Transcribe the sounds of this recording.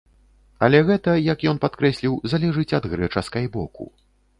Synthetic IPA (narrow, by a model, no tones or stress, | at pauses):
ɐlʲɛɣɛt̪ɐjɐkjɔnpat̪kɾɛsʲlʲiwzalʲɛʐɨt͡sʲɐd̪ɣɾɛt͡ʂɐskajbɔkṵ